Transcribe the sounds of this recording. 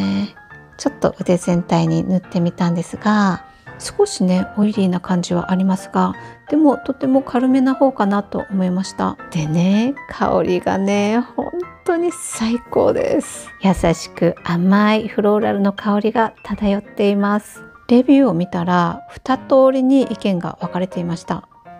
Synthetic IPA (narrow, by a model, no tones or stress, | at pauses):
t͡ɕo̞t̪ːo̞̰ʔɯ̟t̪e̞zẽ̞nt̪aiɲ̟inɯt̪ːe̞mʲit̪ãnd̪e̞sɨɡa | sɨ̥ko̞ɕine̞o̞iɾʲiːnakãɲ̟d͡ʑiβa̰ʔaɾʲimasɨ̥ɡ̥ad̪̥e̞mo̞t̪o̞t̪ːe̞mo̞kʰaɾɯ̟me̞naho̞ːkanat̪o̞̰ʔomo̞imaɕi̥t̪a̰d̪̥e̞ne̞kʰa̰o̰ɾʲiɡa̰ne̞hõ̞̰nt̪o̞ɲ̟isaiko̞̰ːd̪e̞̰sɨ̥jasaɕi̥kɯ̟amaiɸɯ̟ɾo̞ːɾaɾɯ̟no̞kʰao̞ɾʲiɡat̪ʰad̪ajo̞t̪ːe̞imasɨ̥ | ɾe̞bʲɨːo̞mʲit̪aɾaɸɯ̟̥t̪at̪o̞ːɾʲiɲ̟iʔikẽ̞ŋɡa̰βakaɾe̞t̪e̞imaɕi̥t̪a̰